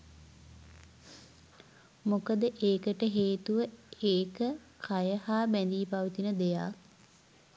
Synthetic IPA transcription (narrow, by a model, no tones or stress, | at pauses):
mokəd̪əʔeːkəʈəɦeːt̪uʋəeːkə | kʰajəhaːbænd̪iːpaʋit̪inəd̪eja̰ː